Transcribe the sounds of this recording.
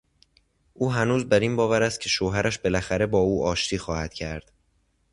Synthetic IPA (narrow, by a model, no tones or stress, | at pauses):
ʔuːɦænuːzbæɾiːnbɒːvæɾæst̪̚cʰe̞ʃoːɦæɾʔæʃbe̞læxæɾe̞bɒːuːʔɒːʃt̪ʰiːxɒːhæd̪̥̚cʰæɾd̪̥